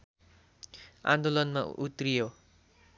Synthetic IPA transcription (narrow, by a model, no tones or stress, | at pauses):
ã̰nd̪olʌnmaʔut̪rijo